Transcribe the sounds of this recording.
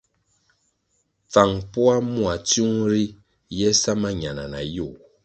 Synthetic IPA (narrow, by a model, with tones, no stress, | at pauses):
p͡fa˨ŋpu˦a˦mu˦a˨tu˦ŋɾi˦ | jɛ˦sa˦ma˦ɲa˨na̰˨na̰˨ju˦˨